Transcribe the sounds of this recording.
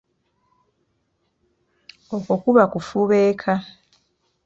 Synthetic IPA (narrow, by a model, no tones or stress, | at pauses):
okokuβakufuβeːkʰa